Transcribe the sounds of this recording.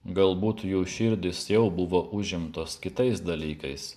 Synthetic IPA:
ɡɐlˠbuːt̪juːʃʲɪɾʲd̪ʲɪsjɛʊbʊʋoːʔʊʒʲɪmt̪oːskʲɪt̪ɐɪsd̪ɐlʲiːkɐɪs

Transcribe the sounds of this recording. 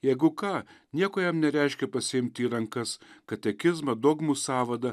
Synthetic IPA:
jɛɪɡʊkɑːnʲiɛkoːjɛmnʲɛɾʲɛɪʃʲkʲɛpɐsʲɪɪmʲt̪ʲiːɾɐŋkɐskɐt̪ʲɛkʲɪzmɐd̪oːɡmuːsɑːʋɐd̪ɐ

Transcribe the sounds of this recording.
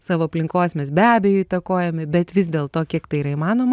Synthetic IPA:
sɑːʋoːɐpʲlʲɪŋkoːsʲmʲɛsbʲæːbʲɛːjʊit̪ɐkoːjɛmʲɪbʲɛt̪ʋʲɪzd̪ʲeːlˠt̪oːkʲiɛkt̪ɐɪiːɾɐimɑːnoːmɐ

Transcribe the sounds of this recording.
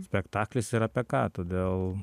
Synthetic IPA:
sʲpʲɛkt̪ɑːklʲɪsɪɾɐːpʲɛkɑːt̪oːd̪ʲeːlˠ

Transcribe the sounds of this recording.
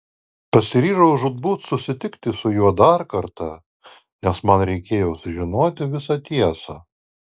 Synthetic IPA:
pɐsʲɪɾʲiːʒɐʊʊʒʊd̪̚buːt̪sʊsʲɪt̪ʲɪkt̪ʲɪsʊjuɔd̪ɑɾkɐɾt̪ɑ | nʲɛsmɐnɾʲɛɪkʲeːjoːsʊʒʲɪnoːt̪ʲɪʋʲɪsɑt̪ʲiɛsɑ

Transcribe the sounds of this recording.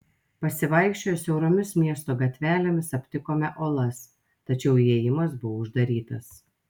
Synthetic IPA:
pɐsʲɪʋɐˑɪkʃʲt͡ʃʲoːjsʲɛʊɾoːmʲɪsmʲiɛst̪oːɡɐt̪ʲʋʲæːlʲemʲɪsɐpʲt̪ʲɪkoːmʲɛʔoːlˠɐs | t̪ɐt͡ʃʲɛʊeːjɪmɐsbʊʋoʊʒd̪ɐɾʲiːt̪ɐs

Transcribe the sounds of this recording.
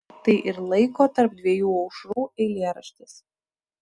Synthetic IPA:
t̪ɐɪʔɪɾlˠɐɪkoːt̪ɐɾp̚d̪ʲʋʲiɛjuːɒʊʃɾuːɛɪlʲeːɾɐʃʲt̪ʲɪs

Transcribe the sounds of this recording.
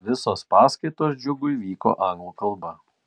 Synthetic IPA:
ʋʲɪsoːspɑːskɐɪt̪oːsd͡ʒʲʊɡʊiʋʲiːko̰ːʔɑŋɡlˠukɐlˠbɐ

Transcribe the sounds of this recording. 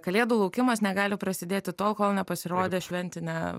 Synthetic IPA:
kɐlʲeːd̪uːlˠɐʊkʲɪmɐsnʲɛɡɑːlʲɪpɾɐsʲɪd̪ʲeːt̪ʲɪt̪oːlˠkoːlˠnʲɛpɐsʲɪɾoːd̪ʲeʃʲʋʲɛnʲt̪ʲɪnʲɛ

